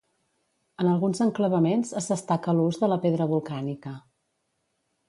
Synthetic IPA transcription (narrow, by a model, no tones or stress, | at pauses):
ənəlˠɣunzəŋkləβəmenzəzðəst̪akəluzðələpeðɾəβulˠkanikə